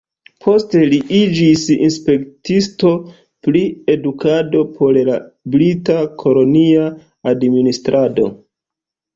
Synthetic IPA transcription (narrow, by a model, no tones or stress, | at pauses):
pʰo̞ste̞liʔid͡ʒisḭnspe̞ktisto̞ | pɾie̞dukado̞pʰo̞llabɾitakʰo̞lo̞nia | administɾʔado̞̰